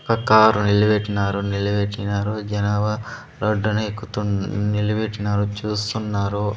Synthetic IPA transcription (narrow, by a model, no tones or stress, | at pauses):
kɐkaːɾunilɐbeʈːinaːɾunilɐbeʈːinaːɾud͡ʒɐnaːʋɐ | ɾoɖːɐnekːut̪unilɐbeʈːinaːɾut͡ʃuːst̪unːaːɾu